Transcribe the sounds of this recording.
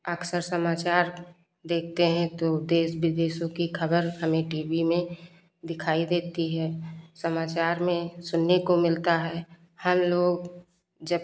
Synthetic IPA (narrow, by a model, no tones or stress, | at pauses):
əksəɾsəmaːt͡ʃaːɾ | d̪eːk̚ʰt̪eɦɛ̃t̪od̪eːsbɪd̪eːsõkikʰəbəɾhəmẽʈiːbimẽ | d̪ɪkʰaːid̪eːt̪iɦɛːsəmaːt͡ʃaːɾmẽsʊnːekomɪlt̪aɦɛː | həmloːɡ | d͡ʒəb